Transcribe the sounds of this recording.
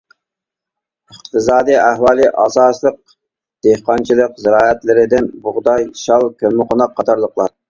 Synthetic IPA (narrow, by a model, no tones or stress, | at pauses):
əqt̪ʰɨzɑːd̪ijæhwɑːlˠɨʔɑsɑːslˠəq̚ | d̪̥ehqɑnt͡ʃʰilˠəqzɪɾɑːɛt̪lɪɾɪd̪ɪnbʊʁd̪ɑjʃɑlˠkʲʰølmɨqʰonɑqʰːɑt̪ʰɑɾlˠəqlˠɑɾ